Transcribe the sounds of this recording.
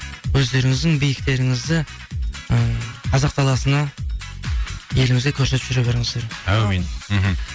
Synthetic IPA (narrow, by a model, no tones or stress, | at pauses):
wɵzd̪e̞ɾɪŋɪzd̪ɪŋbijɪk̚t̪e̞ɾɪŋɪzd̪ɪ | əqʰɑzɑq̚t̪ʰɑlˠɑsənɑ | je̞lɪŋɪzɡ̪ʲekʲʰɵɾse̞t̪pʒʏɾebeɾɪɴəzd̪eɾæmenm̩ɦ̩